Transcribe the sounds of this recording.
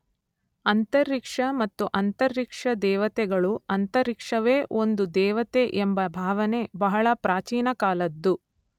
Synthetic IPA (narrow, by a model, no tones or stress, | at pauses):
ɐnt̪ɐɾːikʂɐmɐt̪ːuʔɐnt̪ɐɾːikʂɐd̪ɛːʋɐt̪ɛɡɐɭuɐnt̪ɐɾikʂɐʋe̞ːʔo̞nd̪ud̪ɛːʋɐt̪eʔembɐbʱaːʋɐne̞bɐɦɐɭɐpɾaːt͡ʃiːnɐkaːlɐd̪ːu